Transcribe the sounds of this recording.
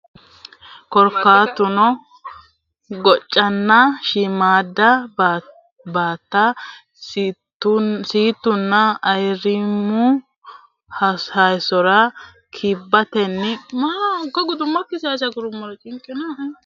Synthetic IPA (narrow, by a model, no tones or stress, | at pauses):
kɔɾkːaːt̪ʊnɔ | ɡɔt͡ʃʼːɐnːɐʃɪmaːd̪ɐ | baːt̪ːɐ | siːt̪ːʊnːɐːjɾɪmʊ | hɐhɐjsɔɾɐ | kʰɪbːɐt̪ɛnːɪmakɔɡʊd̪ʊmːɐkːɪsɛɐsɐɡʊɾʊmːɔɾɐt͡ʃʼɪŋkʼːɪnɐɦɐ